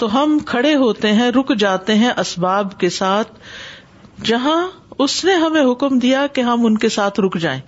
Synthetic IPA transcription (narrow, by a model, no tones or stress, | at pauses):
t̪oɦɐmkʰɐɽeɦoːt̪eɦɛ̃ɾʊkʰd͡ʒaːt̪eɦɛ̃ʔɐsbaːbkesaːt̪̚ʰ | d͡ʒɐɦã | ʊsneɦɐmẽɦʊkmd̪ijakeɦɐmʊnkesaːt̪ʰɾʊkʰd͡ʒa̰ːẽː